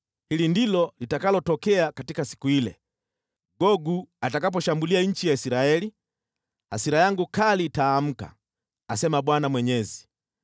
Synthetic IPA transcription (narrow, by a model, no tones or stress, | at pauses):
hilindilɔlitakalɔtɔkɛakatikasi̥kuilɛ | ɡɔɡuatakap̬ɔʃambuliaɲ̩t͡ʃijaisiɾaɛli | hasiɾajaŋɡukaliːtaːm̩ka̰ | asɛmaɓwanamwɛɲɛzi